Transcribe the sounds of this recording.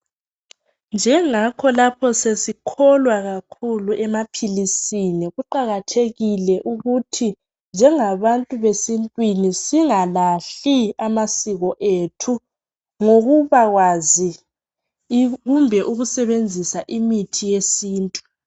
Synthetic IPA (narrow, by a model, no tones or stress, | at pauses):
nd͡ʒʱɛŋakʰɔlapʰɔsesikʰɔlwaɣakʰuluʔɛmapʰilisiniɣuǃaɣatʰeɣilɛʔuɣutʰi | nd͡ʒʱɛŋaβantʼuβesintʼwinisiŋalaɬiamasiɣɔʔetʰu | ŋoɣuβaɣwazi | ɣumbʱɛʔuɣusɛβend͡zʱisaʔimitʰijesiːntʼu̥